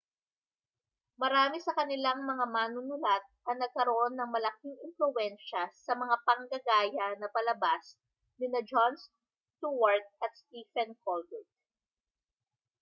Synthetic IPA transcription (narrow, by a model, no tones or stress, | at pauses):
mɐɾaːmɪsɐkɐnɪlaŋmɐŋamaːnʊnʊlat̪̚ɐnɐɡ̚kɐɾoʔonːɐŋmɐlɐkiŋɪnflʊwɛnʃɐsɐmɐŋapɐŋɡɐɡaːjɐnɐpɐlɐbas | nɪnɐd͡ʒons | t̪uwɐɹt̪̚ʔɐt̪̚st̪iːfɛnkʰolbɪt̪̚